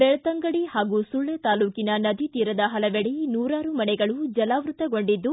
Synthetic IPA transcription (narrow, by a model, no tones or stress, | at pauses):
bɛɭɐt̪ɐŋɡɐɽihaːɡusuɭːɐt̪aːluːkinɐnɐd̪ʱit̪iːɾɐd̪ɐɦɐlɐʋeɽinuːɾaːɾumɐnɛɡɐɭud͡ʒɐlaːʋɾut̪ɐɡo̞ɳɖid̪ːu